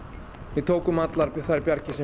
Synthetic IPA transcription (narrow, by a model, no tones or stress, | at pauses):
vɪðt̪ʰoːwkʏmat̪laɾθaɾpjaɾcɪsɛ